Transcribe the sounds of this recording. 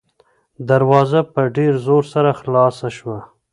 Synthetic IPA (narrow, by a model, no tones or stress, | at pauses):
d̪aɾwɑzapəɖeɾzoɾsaɾaxlɑsaʃwa